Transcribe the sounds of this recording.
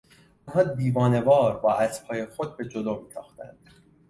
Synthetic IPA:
ɒnɦɒːd̪iːvɒːne̞bɒːɾbɒːʔæsphɒːjexod̪̚be̞d͡ʒod̪omiːsʰɒːxt̪æ̰nd̪̥

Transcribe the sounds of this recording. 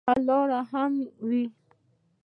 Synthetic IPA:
alɔɾaɦamiwi

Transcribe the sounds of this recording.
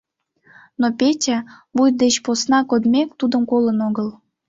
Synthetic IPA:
nopʲetʲæbuj̚d̪et͡ɕposnɑkod̪mʲekt̪ud̪əmkolənoɣəl

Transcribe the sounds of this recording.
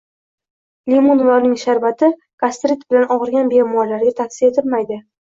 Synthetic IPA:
limunlɒɾnɪŋʃaɾbat̪ʰɪ | kast̪ɾɪt̪bɪlanɒʁɨɾɡʲanbemɒɾlaɾɡʲat̪ʰafsie̞t̪ʰɪlmajd̪ɪ

